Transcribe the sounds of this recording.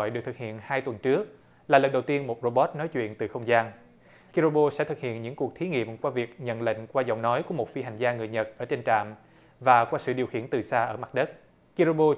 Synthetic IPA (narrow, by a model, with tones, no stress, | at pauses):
jɗɨ˨˩k̚t̪ʰɨ˨˩k̚hḭ˧˨ənhaː˧jt̪wə˨˩nt͡ɕɨ˦˥ək̚ | laː˨˩lə˨˩nɗə˨˩wt̪i˧ənmo˨˩t̚ro˧ɓɔ˦˥t̚nɔ˨˦jt͡ɕwḭ˧˨ənt̪ɨ˨˩xə˧wŋ͡mzaː˧n | ki˧zo˧ɓo˧sɛ̰˧˥t̪ʰɨ˨˩k̚hḭ˧˨ənɲɨ̰˧˥ŋku˨˩ək̚t̪ʰi˨˦ŋḭ˧˨əmkwaː˧vi˨˩ək̚ɲə̰˧˨nlə̰˧˨ŋ̟kwaː˧zɔ̰˧˨wŋ͡mnɔ˨˦jku˧˩əmo˨˩t̚fi˧ɦa˨˩jŋ̟zaː˧ŋɨ˨˩əjɲə˨˩t̚ʔəː˧˩t͡ɕe˧nt͡ɕa̰ː˧˨m | vaː˨˩kwaː˧sɨ̰˧˨ɗi˨˩əwxḭ˧˩ənt̪ɨ˨˩saː˧ʔəː˧˩ma˨˩t̚ɗə˦˥t̚ | ki˧ɾo˧ɓo˧